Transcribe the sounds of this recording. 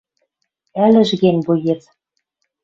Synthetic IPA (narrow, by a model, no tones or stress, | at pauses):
ælʲɘ̆ʒɣenʲbujet̪